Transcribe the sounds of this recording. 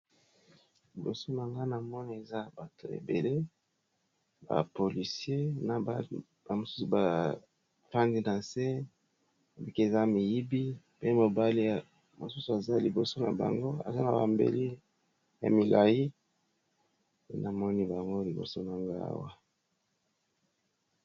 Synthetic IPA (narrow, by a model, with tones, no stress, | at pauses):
lli˨bo˨so˦na˨ŋɡa˦na˨mɔ˦ni˦e˨za˦ba˨to̰˨ḛ˨be˨le˦ | ba̰˨po˨li˨sje˦na˨ba˦ | ba˨mo˨su˦su˨ba˨ | fa˦ndi˦na˨se˦ | e˨bi˦ki˦e˨za˦mi˨ji˦bi˦ | pe˦mo˨ba˦li˦ja˨ | mo˨su˦su˨a˨za˦˨li˨bo˨so˦na̰˨ba̰˨ŋɡo˦a̰˨za˦na˨ba̰˨mbḛ˨li˦ | ja̰˨mi˨la˨ji˦ | e˦na˨mɔ˦ni˦ba˨ŋɡo˦li˨bo̰˨so˦na˨ŋɡa̰˦a̰˦wa˦